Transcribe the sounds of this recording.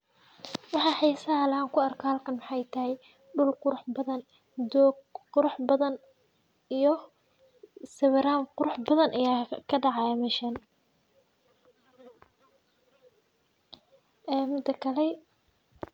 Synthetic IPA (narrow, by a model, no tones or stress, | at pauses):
wɑħɑːħijsɐlaːŋkʰʊɐrkʰaːlkʰɐnmɑħɑjt̪ʰɐɦɛj | ɖʊlqʊɾʊħbɐðɐn | d̪ɔɡqʊɾʊħbɐðɐn | ijɔ | sɐβɛɾaːmqʊɾʊħbɐðɐnʔɐjaːkʰɐɖɑʕɑmɛʃɐn | mʊd̪ɐkʰɐlɛ